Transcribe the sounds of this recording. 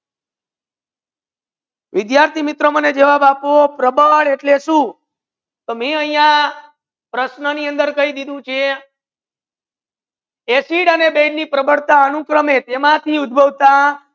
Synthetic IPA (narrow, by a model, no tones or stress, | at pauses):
ʋɪd̪jaɾt̪ʰimɪt̪ɾoməned͡ʒəʋabapopɾəbəɭeʈleʃũ | t̪omeəɦĩjã | pɾəʃnəniənd̪əɾkəɦid̪id̪ũt͡ʃʰe | esiɽənebeɖnipɾəbəɽt̪aənukɾəmet̪emãt̪ʰiud̪̚bʱəʋt̪a